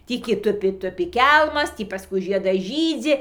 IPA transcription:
ˈtʲiː kʲɪ ˈtʊpʲɪ ˈtʊpʲɪ ˈkʲɛlˠmɐs ˈtʲiː pɐˈskʊɪ ˈʒʲiɛdɐs ˈʒʲiːd͡zʲɪ

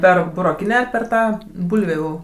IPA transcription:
ˈpʲɛr bʊroːˈkʲɪnʲæː ɐr pʲɛr ˈtɑː ˈbʊlʲʋʲuː

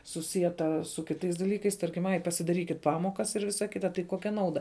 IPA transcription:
sʊˈsʲiɛtɐ sʊ kʲɪˈtɐɪs dɐˈlʲiːkɐɪs ˈtɐrʲkʲɪm ˈɐɪ pɐsʲɪdɐˈrʲiːkʲɪt ˈpɑːmoːkɐs ɪr ˈʋʲɪsɐ ˈkʲɪtɐ tɐɪ ˈkoːkʲɛ ˈnɐʊdɐ

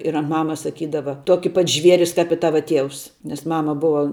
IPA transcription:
ɪr ɐnt ˈmɑːmɐs sɐˈkʲiːdɐʋɐ ˈtuɔkʲɪ pɐt ˈʒʲʋʲiɛrʲɪs kɐp ɪ ˈtɑːʋɐ ˈtʲiɛʊs nʲɛs ˈmɑːmɐ ˈbʊʋɐ

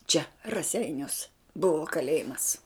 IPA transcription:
t͡ʃʲɛ rɐˈsʲɛɪnʲuɔs ˈbʊʋoː kɐˈlʲeːjɪmɐs

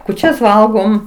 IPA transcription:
kuːˈt͡ʃʲɛs ˈʋɐlˠɡoːm

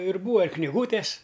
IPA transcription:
ɪr ˈbuːɐ ɪr knʲɪˈɡuːtʲɛs

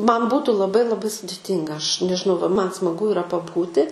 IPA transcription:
ˈmɐn ˈbuːtʊ lˠɐˈbɐɪ lˠɐˈbɐɪ sʊdʲɪˈtʲiːŋɡɐ ˈɐʃ nʲɛʒʲɪˈnɐʊ ʋɐ ˈmɐn smɐˈɡʊ ɪˈrɐ pɐˈbuːtʲɪ

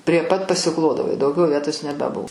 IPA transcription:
pʲrʲiɛ ˈpɐt pɐsʲɪˈklˠoːdɐʋoː ɪ dɐʊˈɡʲɛʊ ˈʋʲiɛtoːs nʲɛbʲɛˈbʊ

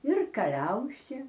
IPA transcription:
ɪr kɐˈlʲɛʊsʲeː

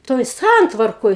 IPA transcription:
ˈtoːj ˈsɐntʋɐrkoːj

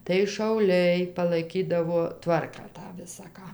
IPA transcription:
tɐɪ ʃɐʊˈlʲɛɪ pɐlˠɐɪˈkʲiːdɐʋoː ˈtʋɐrkɑː ˈtɑː ˈʋʲɪsɐ ˈkɑː

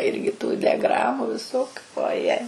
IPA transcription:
ˈɪrʲɡʲɪ tuː dʲɛˈɡrɑːmʊ ʋʲɪˈsoːkʲʊ oːˈjɛ

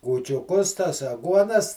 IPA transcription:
kuːt͡ʃʲʊˈkʊs tɐs ɐˈɡuɔnɐs

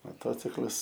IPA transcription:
moːˈtoːt͡sʲɪklˠɐs

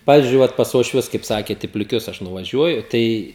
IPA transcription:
ˈpɑːʋʲɪzʲd͡ʒʲʊɪ ˈʋɐt pɐs uɔʃʲˈʋʲʊs kɐɪp ˈsɑːkʲeːt ɪ pʲlʲɪˈkʲʊs ɐʃ nʊʋɐˈʒʲuɔjʊ ˈtɐɪ

